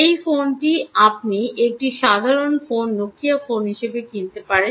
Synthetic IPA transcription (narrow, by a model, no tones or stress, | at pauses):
ejfonʈiap̚niek̚ʈiʃad̪ʱaɾonfonːokːijafonɦiʃebekint̪epaɾe